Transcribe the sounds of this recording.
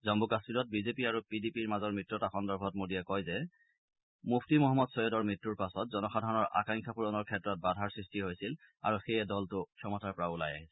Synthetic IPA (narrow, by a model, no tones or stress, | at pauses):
zɔmbukaspiɹɔt̚bizepiaɹupidipiɹmazɔɹmɹitɹɔtaxɔndɔɹbʱɔtmodiɛkɔjzɛ | mupʰtimɔɦɔmːɔdsɔjɔdɔɹmɹitːuɹpasɔtzɔnɔxadʱɔɹɔnɔɹʔa̰kaŋkʰapʰuɹɔnɔɹkʰɛtɹɔt̚badʱaɹsɹistiɦojsil | a̰ɹuxejɛdɔltʊkʰɔmɔtaɹpɔɹaulaja̰ɦisɛ̥